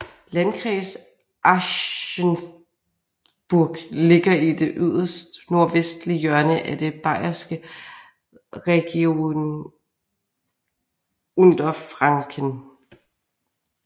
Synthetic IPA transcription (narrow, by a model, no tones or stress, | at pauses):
lænkʰʁḭːs | ʔæɕən | b̥uɐɡ̥le̝ɡ̥ɐid̥e̝ʔyð̞̰ˠɐsd̥no̝ɐʋesd̥lijœɐnəʔæd̥e̝b̥ɑ̈ɪ̰ɐsɡ̥ə | ʁɛɡ̥io̝n | ɔnd̥ɐfʁɑ̈ŋkʰən